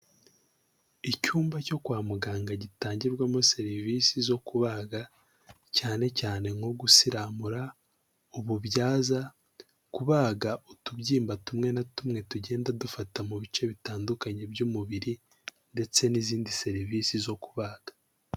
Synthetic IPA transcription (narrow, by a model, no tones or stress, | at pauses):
icuːmbaco̞kwaːmuɡaːŋɡaɟitaːɲɟiɾɡwamose̞ɾivisizo̞kuβaːɡa | caːne̞caːne̞ŋo̞ɡusiɾamuɾa | uβubɟaːza | kuβaːɡaʔutubɟiːmbatumŋe̞natumŋe̞tuɟe̞ːndadufatamuβit͡ʃe̞βitaːndukaɲe̞bjuːmuβiɾi | nde̞t͡se̞niziːndise̞ɾiviːsizo̞kuβaːɡ̥ḁ